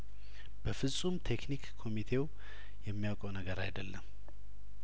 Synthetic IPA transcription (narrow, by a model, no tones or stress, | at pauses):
b̥əfɨsʼumt̪ʰe̞knikkʰːo̞mit̪ʰe̞w | jɛmːijawkʼəwnəɡəɾajd̪əlːəm